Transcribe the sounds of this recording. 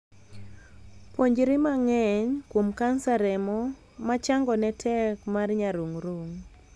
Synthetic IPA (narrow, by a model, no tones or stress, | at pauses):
pwoɲd͡ʒɾɪmaŋɛɲkwomkansaɾɛmɔ | mat͡ʃaŋɡɔnɛtʰɛkmarɲaɾuŋɾuŋ